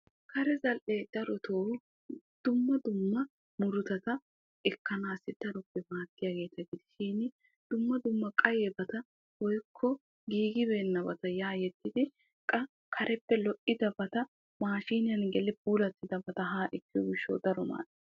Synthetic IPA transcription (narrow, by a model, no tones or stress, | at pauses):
kʰɐɾɛzɐlʔeːd̪̥ɐɾɔt̪ʰoː | d̪̥ʊmːɐd̪ʊmːɐ | mʊɾʊt̪ɐt̪ɐ | ɛkːɐnaːsːɪd̪̥ɐɾɔpːɛmaːt̪ːɪjaːɡe̞ːt̪ɐɡɪd̪ɪ̥ʃiːnɪ | d̪̥ʊmːɐd̪ʊmːɐkʼɐjeːbɐt̪ɐ | wɔjkʰːɔ | ɡiːɡɪbe̞ːnːɐbɐt̪ɐjaːjɛt̪ːɪd̪ɪ | kʼɐ | kʰɐɾʔɛpːɛlɔʔɪd̪ɐbɐt̪ɐ | maːʃiːnɪjɐnɡɛlɪbuːlɐt̪ːɪd̪ɐbɐt̪ɐɦaːʔɪkːɪɔɡɪʃːo̰ːd̪ɐɾɔma̰ːʔɪ